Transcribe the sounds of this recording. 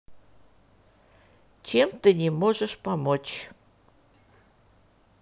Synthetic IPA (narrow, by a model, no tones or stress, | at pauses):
t͡ɕemt̪ɨnʲemoʒəʃpɑmot͡ɕ